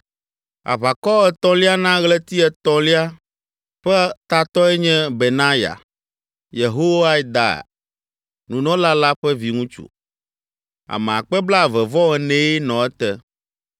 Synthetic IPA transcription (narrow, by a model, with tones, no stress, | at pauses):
a̰˨βa˨kɔ˦ɛ˨t̪ɔ̃˦li˦a˦nã˦ɣlɛ˦t̪i˦ɛ˨t̪ɔ̃˦li˦a˦ | ɸɛ˦t̪a˨t̪ɔ˦ɛ˦ɲɛ̃˦be˨nã˦ja̰˨ | je˨ɦo˦wa˦i˦d̪a̰˨ | nũ˨nɔ̃˦la˦la˦ɸɛ˦vi˨ŋũ˦t͡ʃṵ˨ | a̰˨mɛ̃˨a˨k͡pɛ˦bla˦˨vɛ˨vɔ˦ɛ˨nɛ̃˦i˦nɔ̃˨ɛ˦t̪ɛ˦